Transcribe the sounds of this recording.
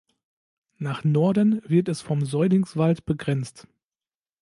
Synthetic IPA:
naːχnɔɐdənvɪɐtɛsfɔmzɔʏdɪŋsv̥altb̥əɡʁɛnt͡st

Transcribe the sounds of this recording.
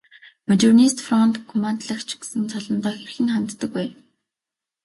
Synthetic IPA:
mat͡ɕurnist̪frɔnt̪kʰɔmant̪ɮə̆kt͡ɕʰɡ̥e̥sɘ̆nt͡sʰɔɮɞ̆nt̪ɔːxerxɘ̆ŋχant̪ːə̆k̚æː

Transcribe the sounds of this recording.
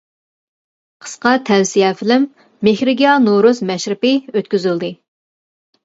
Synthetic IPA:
qʰə̥sqɑt̪ʰɛwsijɛːfɪlɪmː | ehɾɪɡʲijɑnoɾusmɛʃɾɪpɪøt̪kʲyzyld̪ɨ

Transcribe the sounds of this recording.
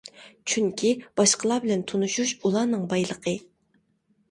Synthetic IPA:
t͡ʃʰyŋkʲʰib̥ɑʃqʰəlˠɑbɪlɛnt̪ʰonuʃuʃulˠɑːnɨŋbɑjlˠəqʰə

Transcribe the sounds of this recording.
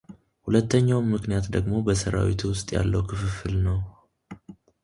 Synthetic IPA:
hulət̪ːəɲːawnmːɨknijat̪d̪əɡmo̞bəsəɾa̰wḭt̪ʰuwʊst̪ʼja̰lːəwkʰɨfɨfɨlnəw

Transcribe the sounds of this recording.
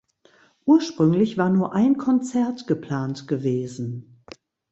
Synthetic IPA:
ʔuːɐʃpʁ̥ʏŋlɪçv̥aːɐnuːɐʔaɪnkʰɔnt͡sɛɐtɡ̥əpʰl̥aːntɡ̥əveːzn̩

